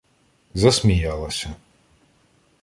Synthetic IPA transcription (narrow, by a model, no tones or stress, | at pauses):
zɐsmʲijalˠɐsʲɐ